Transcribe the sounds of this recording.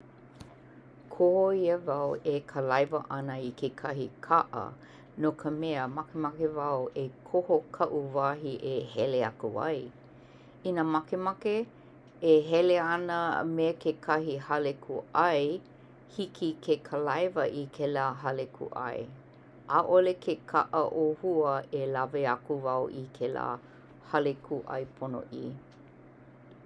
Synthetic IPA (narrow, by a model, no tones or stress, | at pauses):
kʰohoiəvɐwekʰəlɐjvəʔɐnəikʰekʰɐhḭkʰɐʔə̰ | nokʰəmɛəmɐkemɐkevɐwʔekʰohokʰɐʔuvaːɦiʔehɛleɐ̰kuɐ̰j | inəmɐkemɐkeː | ɦɛleɐnəmekʰekʰɐhihɐlekʰuɐj | hikʰikʰekʰəlajvəʔikʰelaːɦalekʰṵʔɐ̰j | ʔaʔolekʰekʰaʔəʔohuəelaveɐkuvɐwʔikʰela̰ː | halekʰuʔɐ̰jpʰono̰ʔiː